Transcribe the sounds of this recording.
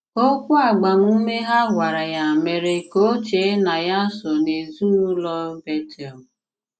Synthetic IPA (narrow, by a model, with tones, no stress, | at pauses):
o˦kʷu˦a˨ɡ͡ba˨m˦u˦me˦ɦa˦ɡʷa˨ɾa˨ja˨me˨ɾe˨ko˦t͡ʃe˨˦na˨ja˦sɔ˨ne˨zu˦ɾlɔ˦be˦tʰɛ˨l